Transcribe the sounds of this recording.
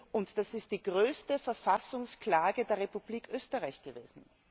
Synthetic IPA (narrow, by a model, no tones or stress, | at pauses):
ʔʊntd̥asɪst̚d̥iːɡʁøːstəfɛɐfasʊŋsklaːɡədeːɐʁepub̥liːkʰʔøːstəʁaɪçɡ̥əvḛːzn̩